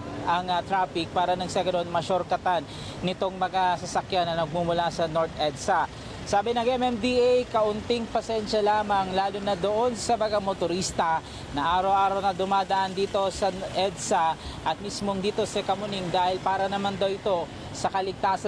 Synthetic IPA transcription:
ʔɐŋɐt̪ɾafɪk̚paːɾɐnɐŋsɛɡɐd̪onmɐʃoɾkɐt̪anː | ɪt̪o̞ŋmɐɡasɐsɐkjanːɐnɐɡ̚mumʊlasɐnoɹt̪ʔɛd̪sɐ | saːbɪnɐŋɛmɛmd̪iʔejkɐʔʊnt̪ɪŋpɐsɛnʃɐlaːmɐŋlaːlʊnɐd̪oʔo̞nsɐbɐɡamot̪ʊɾist̪ɐ | nɐʔaːɾɐwʔaːɾɐwnɐd̪ʊmaːd̪ɐʔand̪iːt̪o̞sɐʔɛd̪sɐʔɐt̪̚mismoŋd̪iːt̪o̞sɛkɐmʊniŋd̪aːhɪlpaːɾɐnɐmand̪ɐwɪt̪o̞ | sɐkɐlɪɡ̚t̪aːsɐ

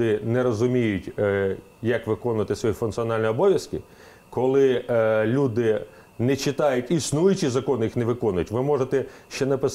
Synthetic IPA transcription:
ɪnɛɾɔzʊmʲijʊtʲ | jɐkʋɪkɔnʊʋɐt̪ɪsʋɔjifʊnk̪t̪sɨɔnɑlʲnʲiɔbɔʋʲjɐskɪ | kɔlˠɪlʲud̪ɪ | nɛt͡ʃɪt̪ɑjʊtʲisnujʊt͡ʃizɐkɔnjixnɛʋɪkɔnʊjʊtʲʋɪmɔʒet̪ɛʃt͡ʃɛnɐpɪs

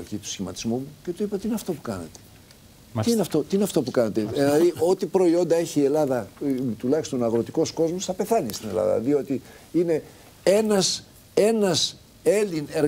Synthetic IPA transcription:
ʝit̪u̥sçimɐt̪i̥zmumuce̞t̪uipɐt̪iineɐft̪o̞pu̥kɐnɐ̰t̪e̥ | iinɐft̪ot̪iineɐft̪o̞pukɐnɐt̪eðelɐðio̞t̪ipɾo̞io̞nd̪ɐe̞çiːe̞lɐðɐt̪ulɐçist̪o̞nɐɣɾo̞t̪iko̞sko̞zmosθɐpe̞θɐnist̪ine̞̰lɐ̰ðɐ̰ðio̞t̪iine̞ | e̞nɐs | e̞nɐs | e̞lineɾ

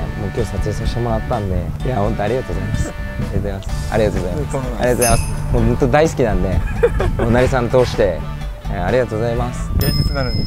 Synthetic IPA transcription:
moːkʲo̞ːsat͡sɨeːsaɕi̥t̪e̞mo̞ɾat̪ːãnd̪e̞jahõnt̪o̞aɾʲiɡat̪o̞ːzaimasɨ̥ | et̪masɨ̥a̰ɾʲiɡat̪o̞ːɣozaimsaɾiɡat̪oːzaimasɨ̥hõnt̪od̪aisɨ̥kʲinãnd̪e̞moːnaɾʲisãnːot̪o̞ːɕi̥t̪e̞ | aɾʲiɡat̪o̞ːɣozaimasɨ̥ea

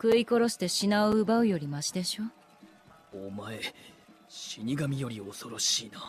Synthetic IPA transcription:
kɯ̟iko̞ɾo̞ɕi̥t̪e̞ɕinaɯɯbaɯ̟jo̞ɾʲimaɕid̪e̞ɕo | omae̞ | ɕiɲ̟ʲiɡamʲijo̞ɾʲio̞so̞ɾo̞ɕiːna

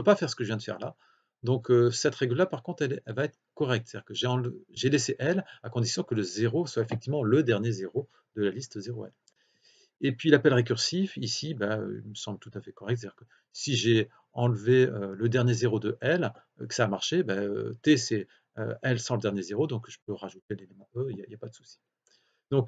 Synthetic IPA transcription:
əpøpafɛʁsə̥kəʒəvjɛ̃d̪əfɛ̰ʁla̰ | d̪ɔ̃køsɛt̪ʁɛɡləlapaʁkɔ̃t̪χɛlɛɛlvaɛt̪χkɔʁɛk̚t̪st̪ad̪ikəʒeɑ̃ʒeleseʔɛlakɔ̃d̪isjɔ̃kələzeʁoswaefɛk̚t̪ivmɑ̃ləd̪ɛʁnjezeʁo | d̪əlalist̪zeʁoɛ̰l | epɥilapɛlʁek̬ʲyʁsifisibaø̰ḭlməsɑ̃blət̪ut̪afɛkɔʁɛkt̪s̬tad̪iʁkə | siʒe | ɑ̃lveøləd̪ɛʁnjezeʁod̪əʔɛl | ø̰kə̥saːmaʁʃebaø̰t̪esɛ | ø̰ɛlsɑ̃ləd̪ɛʁnjezeʁod̪ɔ̃kʒ̥əpøʁaʒut̪elelemɑ̃øija̰iljapad̪əsu̥si̥ | d̪̥ɔ̃k

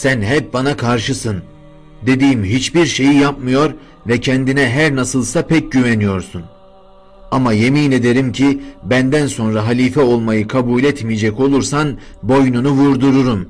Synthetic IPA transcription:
sænɦɛp̚banakʰaɾʃɯsɯn | d̪e̞d̪iːmɦit͡ʃbiɾʃe̞jijapmɯjo̞ɾ | vɛcʰɛnd̪inɛɦæɾnasɯlˠsapʰɛc̚ɟyvɛnijo̞ɾsun | amaje̞miːne̞d̪e̞ɾimcʰibænd̪ænso̞nɾaɦalʲiːfɛo̞lˠmajɯkʰabuːlʲɛt̪mijed͡ʒɛco̞lˠuɾsanbo̞jnunuvuɾd̪uɾuɾum

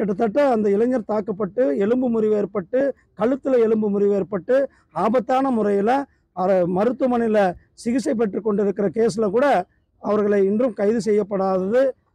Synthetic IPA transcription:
kɛʈːɐt̪ːɐʈːɐːnd̪ɐɪlɐɲːɐɾt̪aːkːɐpːɐʈːɯɛɭɯmbɯmʊɾɪʋeːɾpɐʈːɯ | kɐɭɯt̪ːɪlɐɛɭɯmbɯmʊɾɪʋeːɾpɐʈːɯ | aːbɐt̪ːaːnɐmʊrɐjɪlɐ | ɐmɐɾɯt̪ːɯmɐnɪlɐ | sɪɣɪsɐɪp̬ːɛʈrɯkːɔɳɖɪɾɯkːɪɾɐkeːs̬ɪlɐkuːɽɐ | ɐʋɐɾɣɐɭɐɪɪndrɯmkɐɪðɯsɛjːɐpːɐɽaːðɐðɯ

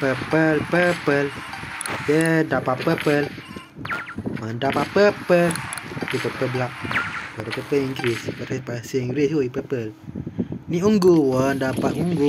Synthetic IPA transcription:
pəpəlpəpəl | jədapaʔpəpəl | mandapaʔpəpəlipəpəblaʔ̚pəɾəpəpəliŋɡɾispəɾəpasiiŋɡɾiswipəpəl | niuŋɡowəndapaʔuŋɡu

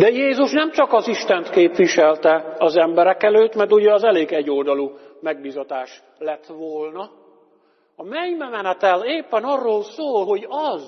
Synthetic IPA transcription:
d̪ɛjeːzuʃnɛmt͡ʃɒkɒziʃt̪ɛnt̪keːpʋiʃɛlt̪ɛɒzɛmbɛɾɛkɛløːt̪mɛrt̪uɟɛɒzɛleːɡɛɟːold̪ɒlu | mɛɡ̚biːzɒt̪aːʃ | lɛt̪ʋoːlnɒ | ɒmɛɲmɛmɛnɛt̪ɛleːpːɛnɒrːoːlsoːlɦo̞ɟɒz

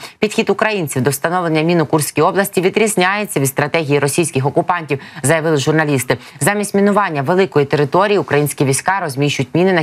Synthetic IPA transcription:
pʲid̪xʲid̪ʊkɾɐjinʲt͡sʲiwd̪ɔwst̪ɐnɔʋlˠenʲːɐmʲinɔkursʲkʲijɔblˠɐsʲtʲiʋʲid̪ɾʲizʲnʲajet͡sʲːɐʋʲid̪st̪ɾɐt̪ɛɦʲijiɾɔsʲijsʲkʲɪxɔkʊpɑnʲtʲiwzɐjɐʋɪlˠɪʒʊrnɐlʲist̪ɪzɑmʲisʲtʲmʲinʊʋɑnʲːɐʋelˠɪkɔjit̪eɾɪt̪ɔɾʲijiʊkɾɐjinʲsʲkʲiʋʲijsʲkɑɾɔzʲmʲiʃt͡ʃʊjtʲmʲinɪnɐ

